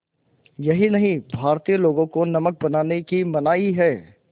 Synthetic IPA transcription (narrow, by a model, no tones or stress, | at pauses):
jɐɦinɐɦĩbʱaːɾt̪ijəloːɡõkonɐmək̚bɐnaːnekimɐnaːiɦɛː